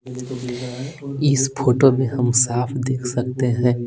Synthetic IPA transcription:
ɪspʰoːʈomẽɦɐmsaːpʰd̪eːkʰsɐk̚t̪eɦɛ̃ː

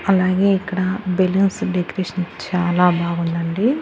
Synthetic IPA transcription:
ɐlaːɡe̞ːikːɐɽɐbelɐnsɖekɐɾeːʂɐnt͡ʃaːlaːbaːɡund̪ɐɳɖi

